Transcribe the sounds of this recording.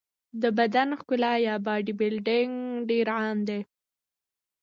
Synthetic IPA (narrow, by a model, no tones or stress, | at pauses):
d̪əbad̪anxkʊlajɑbɑɖibɪlɖɪŋɖeɾʕamd̪e